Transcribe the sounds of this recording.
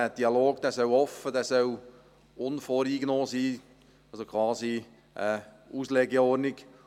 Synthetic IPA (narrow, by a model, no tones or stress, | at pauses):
æd̥iɑloːɡd̥ɛːsœwɔfədɛːsœw | ʊnfoːɾiːɡnɔːsiː | ɑsokʰχwɑːzi | ʔə | uːslɛɡɛɔɾnɪɡ̥